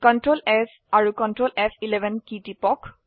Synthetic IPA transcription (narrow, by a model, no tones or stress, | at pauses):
kɔntɹolɛs | aɹukɔntɹolʔɛsilɛbʱɛnkitipɔk